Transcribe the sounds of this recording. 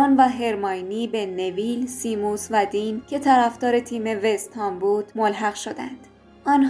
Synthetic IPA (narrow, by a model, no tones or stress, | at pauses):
ɑːnvæɦe̞ɾmɒjniːbe̞ne̞viːlsiːmusvæd̪iːncʰe̞t̪ʰæɾæfd̪ɒːɾe̞t̪ʰiːme̞vest̪ʰɒːmbuːd̪̥molɦæɣʃod̪ænd̪̥ | ʔɒːnɦ